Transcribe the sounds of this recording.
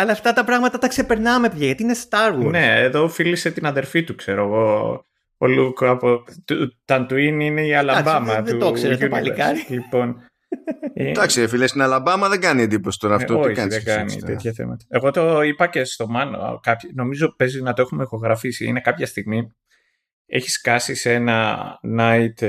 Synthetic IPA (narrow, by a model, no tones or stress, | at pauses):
ɐlɐft̪ɐt̪ɐpɾɐɣmɐt̪ɐt̪ɐksepeɾnɐmepjɐjɐt̪iinest̪ɐɾwunne̞ːðo̞filise̞t̪inɐðe̞ɾfit̪ukse̞ɾoeɣo̞ | o̰lukɐpot̪ut̪ɐnt̪uinine̞iɐlɐbɐmɐt̪uoksunliɐɾilipo̞n | id̪ɐksiefilest̪inɐlɐbɐmɐðeɡɐniend̪iposi̥t̪oɾɐooçikɐnðeɡɐnḭeçɐθḛmɐ̰t̪ɐe̞ɣo̞t̪o̞ipɐce̞st̪o̞mɐno̰kɐpçno̞mizo̞pezinɐt̪oexumexo̞ɣɾɐfisiḭne̞kɐpçɐst̪iɣmi | e̞̰çi̥skɐsiseenɐnɐit̪